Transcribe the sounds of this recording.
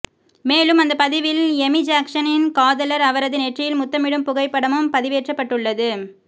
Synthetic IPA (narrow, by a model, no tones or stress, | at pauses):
meːlɯmɐnd̪ɐpɐðɪʋɪlɛmɪd͡ʒaːkʂɐnɪnkaːðɐlɐɾɐʋɐɾɐðɯnɛʈrɪjɪlmʊt̪ːɐmɪɽɯmpʊɣɐɪpːɐɽɐmɯmpɐðɪʋeːʈrɐpːɐʈːɯɭːɐðɯ